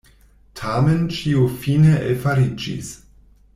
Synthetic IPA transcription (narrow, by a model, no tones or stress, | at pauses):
tʰament͡ʃiufineʔefaɾid͡ʒḭs